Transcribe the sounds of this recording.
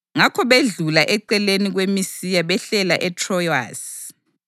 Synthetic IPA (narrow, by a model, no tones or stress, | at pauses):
ŋakʰɔβeɮulaʔɛǀɛleniɣwemisijaβɛɬɛlaʔɛtʰrɔja̰ːs